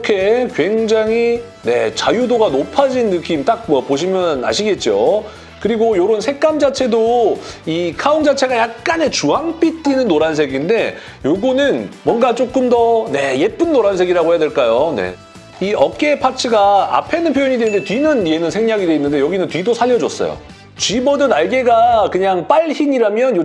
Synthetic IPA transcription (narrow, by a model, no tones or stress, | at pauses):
kʰe̞kwe̞ŋd͡ʑaŋi | ne̞t͡ɕajudoɡanopʰad͡ʑinːɯk͈imt͈ak̚mʌpoɕʰimjʌna̰ɕʰiɡe̞t̚t͡ɕ͈o | kɯɾiɡojoɾonsʰe̞k͈amd͡ʑat͡ɕʰe̞doikʰaoŋd͡ʑat͡ɕʰe̞ɡajak̚k͈anet͡ɕuɦaŋp͈it͈inɯnːoɾansʰe̞ɡinde̞ | joɡunɯnmwʌnɡat͡ɕ͈ok͈ɯmdʌne̞je̞p͈ɯnːoɾansʰe̞ɡiɾaɡoɦe̞jadwe̞ɭk͈ajone̞̰ | iʌk̚k͈e̞pʰat͡ɕʰɯɡaa̰pʰe̞nɯnpʰjojoɲidenɯndetɥinɯnie̞nɯnsʰeŋɲaɡideinːɯnde̞jʌɡinɯntɥidosʰaʎːʌd͡ʑʌs͈ʌ̰jo̰ | t͡ɕɥimʌdɯnaɭɡe̞ɡakɯɲaŋp͈aɭçiɲiɾamjʌnjo